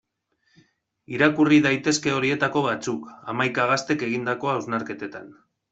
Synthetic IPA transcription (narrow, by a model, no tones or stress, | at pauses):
iɾakuriðajt̪e̞ske̞o̞ɾie̞t̪ako̞βat͡suka̰majkaɣ̞ast̪e̞ke̞ɣind̪ako̞awznaɾke̞t̪e̞t̪a̰n